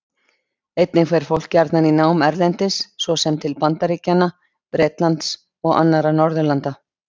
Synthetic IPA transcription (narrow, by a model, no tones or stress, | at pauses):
ejt̪nɪkʰvɛɾ̥fowl̥cːaɾt̪naninaːwmɛɾlɛnt̪ɪsːvɔsɛmt̪ʰɪlpant̪aɾiːcanːa | pɾeːt̪lant̪s | ɔɣa̰nːaɾanɔɾðʏlant̪a